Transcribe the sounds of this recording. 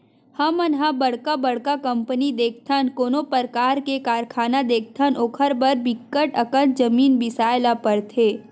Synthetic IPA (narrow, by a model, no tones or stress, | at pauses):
hɐmɐnɦãbɐɽkabɐɽ̤kakɐ̃mpənid̪eːk̚ʰt̪ʰənkoːnopəɾkaːɾkekaːɾkʰaːnad̪eːk̚ʰt̪ʰənʔoːkʰəɾbɐɾbɪkːəʈəkə̃nd͡ʒɐmiːnbɪsaːɪlapɐɾt̪ʰeː